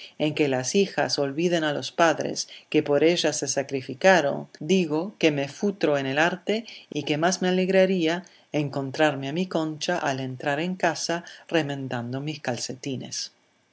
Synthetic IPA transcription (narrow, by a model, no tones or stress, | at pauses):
e̞ŋkelasixa̰so̞lβiðe̞nalo̞spaðɾḛskepo̞ɾeʒasesakɾifikaɾo̞̰nd̪iɣo̞ke̞mefut̪ɾo̞enelaɾt̪eike̞mazmeale̞ɣɾaɾia | eŋko̞nt̪ɾaɾmeamiko̞nt͡ʃaʔale̞nt̪ɾaɾe̞ŋkasare̞mẽnd̪and̪o̞miskalse̞t̪ine̞̰s